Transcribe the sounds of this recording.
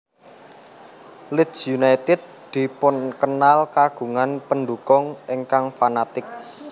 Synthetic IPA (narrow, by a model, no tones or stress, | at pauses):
lɪt̪sjunajt̪ɪd̪̚d̪̥i̤pʊnkənalkaɡ̥ṳŋanpənd̪ukɔŋʔiŋkaŋfanat̪ɪk̚